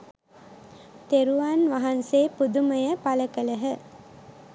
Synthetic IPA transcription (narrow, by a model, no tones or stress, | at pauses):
t̪eɾuʋaːnʋaɦanseːpud̪uməjəpaləkələɦə